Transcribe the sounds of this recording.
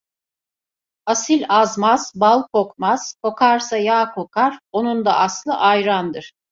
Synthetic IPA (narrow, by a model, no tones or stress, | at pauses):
asilʲazmaz̥balˠkʰo̞kmaz̥kʰo̞kʰaɾsajaːkʰo̞kʰaɾo̞nund̪aʔaslˠɯʔajɾand̪ɯɾ̥